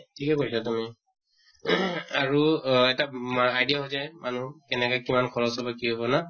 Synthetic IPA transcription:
tʰikɛkoɹsatumi | aɹuɛtaajdijaɦozajmanukɛnɛkɔkimankʰɔɹɔsɔbakiɦobɔna

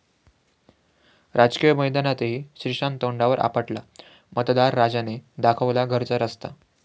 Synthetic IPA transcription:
ɾʔad͡zkijəməjd̪anat̪eɦiːɕɾiʂant̪oɳɖaʋəɾʔa̰pəʈla | mət̪d̪aɾːad͡zaned̪akʰəʋlaɡʱəɾt͡səɾəst̪a̰

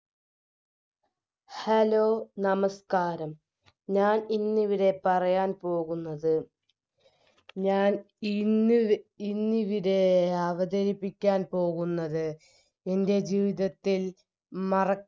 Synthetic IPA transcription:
hɐlo̞ːnɐmɐskaːɾɐm | ɲaːninːiʋiɾe̞pɐrɐjaːnpo̞ːɣunːɐðɨ | ɲaːn | inːiʋiɾe̞ɐʋɐd̪ɐɾipːikʲːaːnpo̞ːɣunːɐðɨ | e̞nde̞d͡ʑiːʋiðɐt̪ːil | mɐrɐ

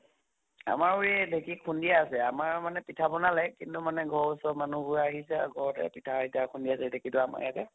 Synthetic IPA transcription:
a̰maɹuɹɛdʱekikʰundijaːsɛamaɹmanɛpitʰabɔnalɛkintumanɛɡʱɔɹsɔmanubʊɹɛaɦisɛaɡʱɔɹɔtɛ̰pitʰaitakʰundijasɛdʱekitʊama̰ɹjatɛ

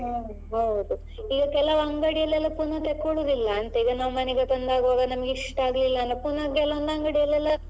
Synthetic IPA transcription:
ɦ | ɦɐwd̪u | iɡɐkɛlɐʋɐŋɡɐɽijɐlɛlːɐpunɐt̪ekːoɭud̪ilːɐːnt̪eiɡɐnaːʋumɐneɡet̪ɐnd̪aːɡuʋaːɡɐnɐmɐɡiʂʈaːɡɐlilːɐnɐpunɐɡɛlɐɐnd̪ɐŋɡɐɽijɐlɛlːɐ

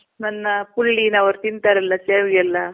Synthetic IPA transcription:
nɐnːɐpuɭːinɐʋɐɾt̪int̪aɾɐlːɐseːʋɡɐlːɐ

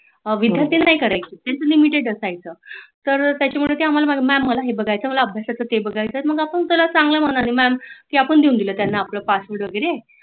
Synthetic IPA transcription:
ʋid̪ʱjant̪inːajkəɾajkit̪jant͡səlimiʈeɽəsajt͡səːt̪əɾt̪jat͡ɕamuɭet̪eɦam̤alamaɡʱemæmːəlaɦebəɡajt͡səːməlaəbʱjasat͡sət̪ebəɡʱajt͡səet̪məɡapəɳt̪əlat͡saŋɡləm̤əɳanimæmkiːapəɳd̪iund̪iləːt̪janːaːpləpasʋəɾɖʋəɡəɾe

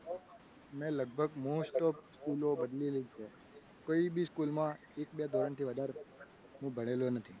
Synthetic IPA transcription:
mɛ̃ləɡ̚bʱəɡmosʈoskulobəd̪lilit͡ʃʰe | koibiskulmã | ekbjad̪oɾəɳt̪ʰiʋəd̪ʱaɾ | ɦũbʱəɽ̃elonət̪ʰi

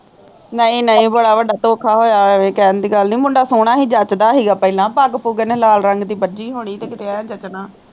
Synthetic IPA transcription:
nəĩːnəĩːbəɽaːʋəɖaːt̪oːkʰaːɦoːjaːʋẽːkɛːnd̪iːɡəlniːmʊ̃ɳɖaːsoːɽ̃aːɦiːd͡ʒət͡ʃd̪aːɦiːɡaːpəɪlãːpaɡpuːɡnelaːlɾəŋɡd̪iːbəd͡ʒiːɦoːɽ̃iːt̪eːkɪt̪eːãːd͡ʒət͡ʃnãː

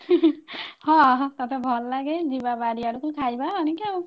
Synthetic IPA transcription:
hɔ̃t̪at̪ʰɛbʱɔlːaɡɛzibabaɹiaɹukʰulkʰajbaɔnika

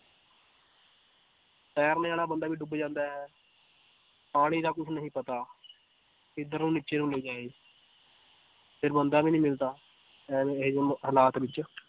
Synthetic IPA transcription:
sɛːɾneaːlaːbənd̪aːʋiːɖʊbd͡ʒãːnd̪aːɦɛː | paːɽ̃ĩːd̪aːkʊt͡ʃʰnəɦĩːpət̪aː | ɪd̪əɾnũːniːt͡ʃeːnũːleiːd͡ʒaːeː | pʰɪɾbənd̪aːbiːnĩːmɪlt̪aː | ɦəlaːt̪ʋɪt͡ʃ

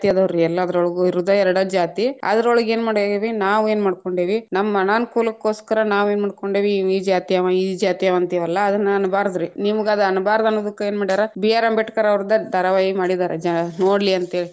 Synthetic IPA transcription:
t̪ijɐd̪ɐʋɐɾuɛlːɐːd̪ɐɾoɭɡuiɾud̪ɐɛɾɐɽɐd͡ʒaːt̪iɐ̰d̪ɐɾoɭɐɡe̞ːnmaːɽeʋinaːʋeːnmaːɽ̚koɳɖeːʋinɐmːɐɐnaːnkuːlɐkːo̞ːskɐɾɐnaːʋeːnmaːɖ̚ko̞ɳɖeːʋiiːd͡ʒaːt̪ijɐʋɐid͡ʒaːt̪ijɐʋɐnt̪ijɐʋɐlːɐːd̪ɐnːɐɐnubaːɾd̪ɾinimuɡɐd̪ɐɐnubaːɾɐd̪ɐnːoːd̪ɐkːue̞ːnmaːɽid̪aːɾebijaːɾɐmbɛʈkɐɾɐʋɾid̪ɐd̪ɐɾɐʋaːjimaːɽid̪aːɾed͡ʒanoːɽliɐnt̪ɦeːɭi

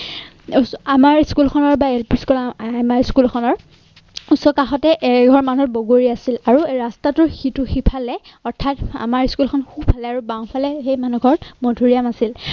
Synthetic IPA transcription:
amaɹskulkʰɔnɔɹbaelpiskulmaɹskulkʰɔnɔɹ | usɔkaxɔtɛʔɛɡʱɔɹmanɔt̚boɡoɹiasilaɹuɹastatʊɹxitʊxipʰalɛ | ɔɹtʰata̰maɹskulkʰɔnkʰubpʰalɛaɹubawpʰalɛxejmanuɡʱɔɹmodʱuɹijamasil

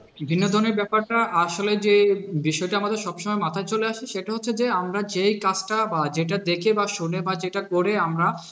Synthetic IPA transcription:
bibʱinːod̪ʱɔɾneɾbɛpaɾʈaʔaʃoled͡ʑebiʃɔeʈaamad̪eɾʃɔbʃɔmɔemat̪ʰat͡ɕoleaʃeʃeʈaɦot̪ːɕʰed͡ʑeamɾad͡ʑejkat͡ɕʈabad͡ʑeʈ̬ad̪ekʰebaʃunebad͡ʑeʈakoɾeamɾa

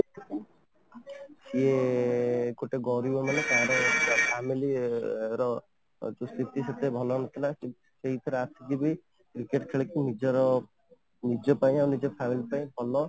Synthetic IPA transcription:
sie | koʈeɡɔɾibɔmanek̪ãɦãɾɔpʰamiliɾɔ | d͡ʒust̪ʰit̪iset̪ebʱɔlɔnɔt̪ʰila | seɦit̪ʰiɾasid͡ʒibi | kɾikeʈkʰeɭekinid͡ʒɔɾɔ | nid͡ʒɔpaĩawnid͡ʒɔpʰamilipaĩbʱɔlɔ

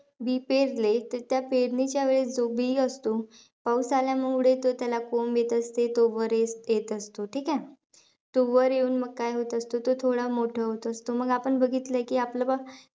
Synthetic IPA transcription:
bipeɾlet̪əɾt̪japeɾɳit͡ɕjaʋeɭed͡zobiəst̪o | pawsaljamuɽet̪ot̪jalakomjet̪əst̪et̪oʋəɾjesjet̪əst̪oʈʰikã | t̪oʋəɾjeuːnməɡ̚kajɦot̪əst̪ot̪ot̪ʰoɽamoʈʰəɦot̪oəst̪oməɡapəɳbəɡʱit̪ləkiːapləba

